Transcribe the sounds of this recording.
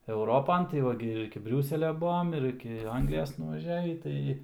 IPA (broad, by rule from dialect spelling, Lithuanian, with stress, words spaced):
ɛʊˈroːpɐn tɐɪ ˈʋɐ ɡʲɪ ɪr ɪkʲɪ ˈbʲrʲuːsʲɛlʲɛ ˈbuɔm ɪr ˈɪkʲɪ ˈɐŋɡlʲɪjoːs nʊʋɐˈʒʲæːʋʲiː ˈtɐɪ